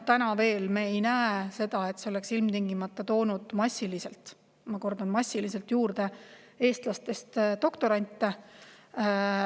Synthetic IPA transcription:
t̪ænɑve̞ːlmeejnæese̞d̪̥ɑe̞t̪seo̞le̞ksilmt̪iŋɡimɑt̪ːˑɑt̪o̞ːnud̪̥mɑsʲːilise̞lt̪ˑ | mɑko̞rd̪̥ɑnmɑsʲːilise̞lt̪juːɾd̪̥e̞ | e̞ːst̪lɑst̪e̞st̪d̪o̞kt̪o̞ɾɑnʲt̪ˑːe

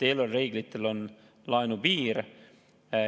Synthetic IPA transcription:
t̪e̞ːlolre̞ːɡ̥lit̪ːˑelo̞n | lɑenubiːɾ

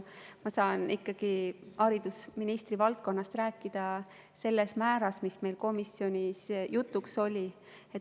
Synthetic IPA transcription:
mɑsɑːnikːɑɡ̥iɑɾid̪̥usminist̪ɾivɑlt̪̚ko̞nːɑst̪ræːkːˑid̪̥ɑ | se̞lːe̞smæːɾɑsmisme̞jlko̞misjo̞nʲisjut̪ːˑukso̞lʲi | et̪

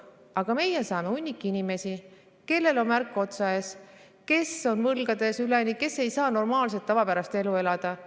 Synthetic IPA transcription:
ɑɡ̥ɑme̞jesɑːmeunʲːikːˑiinime̞si | ke̞lːe̞lo̞nmærkːˑo̞t̪sɑeːs | ke̞so̞nvɤlɡ̥ɑd̪̥e̞sylenike̞sːe̞jsɑːno̞rmɑːls̬et̪ːɑvɑpæɾɑst̪e̞lue̞lɑd̪̥ɑ

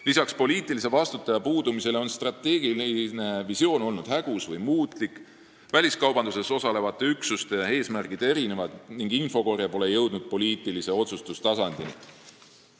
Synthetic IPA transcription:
lisɑkspo̞lʲiːt̪ːˑilise̞vɑst̪ut̪ːˑɑjɑpuːd̪umise̞lo̞nst̪rɑt̪ːe̞ːɡ̥ilne̞visio̞ːno̞lnud̪̥hæɡ̥usvɤjmuːt̪ˑlikːˑ | vælʲiskɑwbɑnd̪̥use̞so̞sɑle̞vɑt̪ːˑe̞yksust̪e̞e̞ːsmærkid̪̥e̞ɾine̞vɑd̪niŋɡ̥info̞ko̞rjɑpo̞le̞jɤwd̪̥̚nud̪̥̚po̞lʲiːt̪ːˑilise̞o̞t̪sust̪ust̪ɑsɑnd̪̥ini

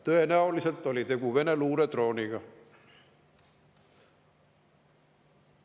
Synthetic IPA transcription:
t̪øenæoliselt̪ːolit̪ekuʋeneluːɾet̪roːnikɑ

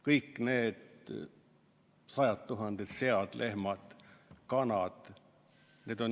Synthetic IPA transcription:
kɤjkːneːd̪ | sɑjɑt̪ːuɦɑnd̪̥et̪seɑd̪̥lʔe̞hmɑd̪̥kɑnɑd̪̥ | ne̞ːd̪̥on

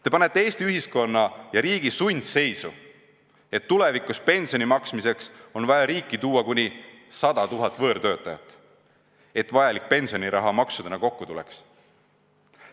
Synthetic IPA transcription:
t̪e̞pɑne̞t̪ːee̞ːst̪iyɦisko̞nːɑjɑɾiːɡ̥isujnʲd̪se̞jsu | e̞t̪ːule̞vikˑuspe̞nʲsio̞nimɑksmise̞kso̞nvɑjɑɾiːkːˑit̪uːɑkunʲi | sɑd̪̥ɑt̪uɦɑt̪ːˑvɤːɾt̪ø̞ːt̪ːˑɑjɑ̰t̪ːˑ | e̞t̪ːvɑjɑlik̚pe̞nʲsio̞niɾɑɦɑmɑksud̪̥enɑko̞kːut̪ulḛks

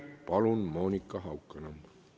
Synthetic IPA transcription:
pɑlunmo̞ːnʲikːˑɑɦɑwkːˑɑnɑm

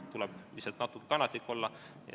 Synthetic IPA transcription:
t̪ulɛb̥lisɑt̪nɑt̪ːˑukːˑe̥kɑnːɑt̪likːˑo̞lːɑ

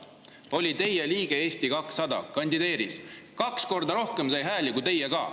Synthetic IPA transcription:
o̞lʲit̪e̞jeliːɡ̥e̞e̞ːst̪ikɑksːɑd̪ɑ̰kɑnʲd̪id̪e̞ːɾiskɑksko̞rd̪ɑɾo̞hkemsɑjɦæːlʲikut̪e̞jeɡɑː

